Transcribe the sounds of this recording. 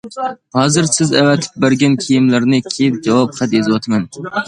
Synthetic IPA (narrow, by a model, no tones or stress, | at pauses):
hɑːzɨɾsɪzævɛt̪ʰɪ̥p̚bɪɾɡʲankʲʰejɪmlaɾnɪkʲʰejɪp̚d͡ʒɑwɑpχat̪jezwɑt̪ʰman